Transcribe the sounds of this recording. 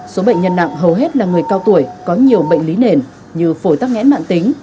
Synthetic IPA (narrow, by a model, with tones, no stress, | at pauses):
so˨˦ɓə̰˧˨jŋ̟ɲə˧nːa̰˧˨ŋɦə˨˩wɦe˦˥t̚laː˨˩ŋɨ˨˩əjkaː˧wt̪u˧˩əjkɔ˨˦ɲi˨˩əwɓə̰˧˨ŋ̟li˨˦ne˧˨˩n | ɲɨ˧fo˧˩jt̪a˦˥k̚ŋɛ̰˧˥na̰ː˧˨nt̪ï˨˦ŋ̟